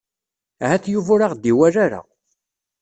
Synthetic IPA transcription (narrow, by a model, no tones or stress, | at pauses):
hæθjuvʊɾaʁd̪iwæɾaɾa̰